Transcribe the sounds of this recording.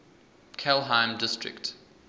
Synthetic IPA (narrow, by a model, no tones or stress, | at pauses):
kʰɛlˠɦãɪ̃mdɪstɹɪ̰kt